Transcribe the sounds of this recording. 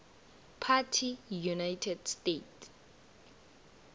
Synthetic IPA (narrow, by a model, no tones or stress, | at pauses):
pʰatʰijunajtʰɛdstet